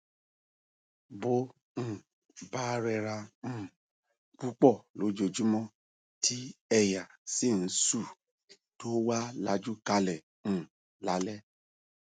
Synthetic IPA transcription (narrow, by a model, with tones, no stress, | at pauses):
bõ˦˨ | ba˦ɾɛ˧ɾã˧˦˨ | ku˦k͡pɔ˦˨lo˨˦d͡ʒo˧d͡ʒu˦mɔ̃˦ | tʰi˦ɛ˦˨ja˨si˦˨n̩˦su˦˨ | to˦wa˦la˧d͡ʒu˦ka˧lɛ˨ | ñ̩˦˨ | la˨˦lɛ˦